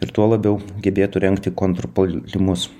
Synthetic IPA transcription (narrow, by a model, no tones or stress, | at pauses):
ɪɾt̪uɔlˠɐbʲɛʊɡʲɛbʲeːt̪ʊɾʲɛŋkt̪ʲɪkont̪ɾɔpolʲɪmʊs